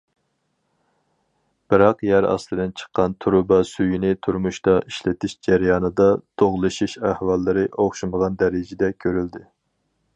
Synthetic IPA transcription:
b̥ɨɾɑqjæɾɑ̰slˠɨd̪ɪnt͡ʃʰə̥qːɑnt̪ʰuɾʊbɑsyjinɪt̪ʰuɾmuʃt̪ɑʔiʃlɪt̪ʰɪʃd͡ʒæɾjɑːnɨd̪ɑd̪̥ʰoʁlˠɨʃiʃæhwɑlˠːɨɾɨʔoχʃuməʁɑnd̪ɛɾɪd͡ʒɪd̪ɛkʲʰøɾyld̪ɪ

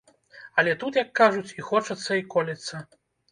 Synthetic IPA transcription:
ɐlʲɛt̪ut̪jɐkːaʐut͡sʲixɔt͡ʂɐt̪sːɐikɔlʲit̪sːɐ

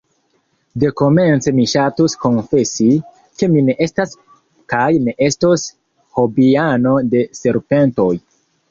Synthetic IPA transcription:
de̞ko̞me̞nt͡se̞miʃatusko̞nfe̞si | ke̞mine̞ʔe̞stas | kajneʔe̞stos | ho̞biano̞de̞se̞ɾpe̞nto̞j

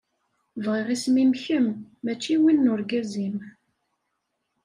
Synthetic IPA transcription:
vʁiʁismimçəmːæt͡ʃːiwinːʊɾɡæzim

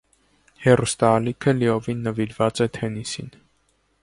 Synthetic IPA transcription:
hɛrust̪ɑːlikʰəliɔvinːəviɾvɑt͡sɛt̪ʰɛnisin

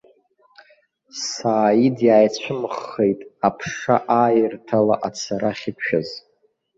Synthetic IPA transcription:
saːjidjaːjt͡ɕʷʰʊmχːe̞jtʼapʰʂaʔaːjɪrtʰala̰ʔat͡sʰaɾaχʲɪkʷʰʃᶣaz

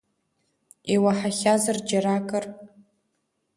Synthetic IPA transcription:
iwaħaχʲazard͡ʒaɾakʼər

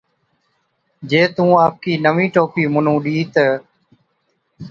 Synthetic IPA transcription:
d͡ʒeːt̪ũːaːp̚kiːnəʋĩːʈoːpiːmʊnũːɗiːt̪ə

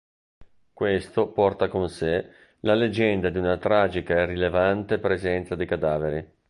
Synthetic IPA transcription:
kwest̪opɔrt̪akonse | laled͡ʒɛnd̪ad̪iunat̪ɾaːd͡ʒikaɛrilevant̪epɾezɛnt̪sad̪ikad̪aːveɾi

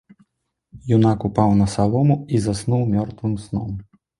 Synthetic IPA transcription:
junakupawnɐsalˠɔmuizasnuwmʲɔrt̪vɨmsnɔ̰m

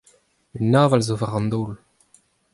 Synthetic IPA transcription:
ynːaːvalzovaʁɑ̃nd̪oːl

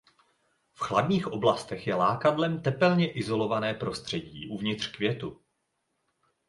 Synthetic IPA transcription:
fxladɲiːxʔo̞blast̪ɛxjɛlaːkadlɛmt̪ɛpɛlɲɛʔɪzo̞lo̞vanɛːpɾo̞st̪r̥ɛɟḭːʔuvɲɪt̪r̝̥kvjɛt̪u

